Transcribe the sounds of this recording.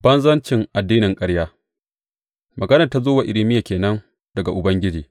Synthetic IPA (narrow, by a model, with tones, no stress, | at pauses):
bɐ˦nzɐ˦nt͡ʃɪ˨ŋʔa˨dːiː˦nɪ˨ŋkʼɐ˦ɽjaː˦ | mʔɐ˨ɡɐ˦nɐ˨rta˦zoː˦wa˨ʔɪ˨lɪ˦mɪ˦ja˨kʲeː˨nɐ˦ŋ | dɐ˨ɡa˨ʔʊ˨bɐ˦ŋɡʲɪ˦d͡ʒiː˨